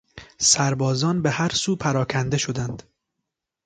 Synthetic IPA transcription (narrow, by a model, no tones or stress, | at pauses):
sæɾbɒːzɒːnbehæɾsuːpʰæɾɒːkʰænd̪eʃo̞d̪ænd̪̥